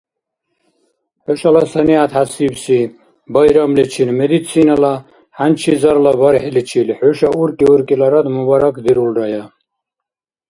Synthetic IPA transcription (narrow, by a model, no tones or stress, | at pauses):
ħɔʃalasaniat̪ʰhasibsi | bajɾamlit͡ʃʰinmɛd̪it͡sʰinala | hant͡ʃʰizaɾlabaɾħɛlit͡ʃʰilħɔʃauɾkʼiuɾkʼilaɾad̪mubaɾakʰd̪iɾulɾaja